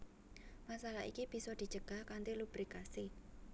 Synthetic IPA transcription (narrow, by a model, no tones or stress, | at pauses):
masalaɦḭkib̥i̤sɔd̪̥i̤t͡ʃəɡ̥ahkant̪ilub̥ɾikasi